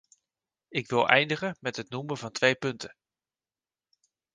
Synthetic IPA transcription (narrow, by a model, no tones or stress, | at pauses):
ɪkʋɪlˠʔɛ̰jndəχənmɛtɦətnuməvɑntʋejpɵntə